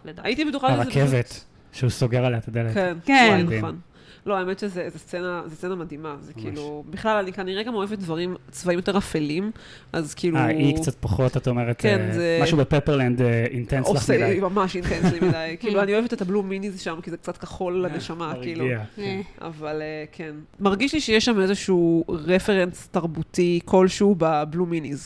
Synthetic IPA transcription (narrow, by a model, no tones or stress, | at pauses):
aitibet̪uχaaʁkevet̪ | ʃeusoɡeʁaleatod̪eletkenkenon | lo̞aemetʃezezest͡senazest͡senamad̪imazekʰiːlubiχlalanikaniʁeɡamo̞evet̚d̪vaʁimt͡svaimjot̪e̞ʁafelim | ʔazkiːluaikt͡sat̪̚paχotat̪aomeʁet̪enzemaʃubepepeʁland̪int̪ɛnsolaimamaʃint̪enslimidajkiːluanioevetetabluminizʃamkizek̚t͡sat̚kaχo̞lːeneʃamakiːluiaa̰valekʰenmaʁɡiʃliʃejeʃamezeʃuːʁefe̞ʁenstaʁbutikʰo̞lʃubabluminiz